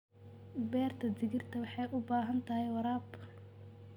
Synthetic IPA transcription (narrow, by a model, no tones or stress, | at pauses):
bɛːrt̪ʰɐd̪ɪɣɪrt̪ʰɐwɑħɑjʔʊbaːɦɐnt̪ʰɐhɛjwɑɾaːb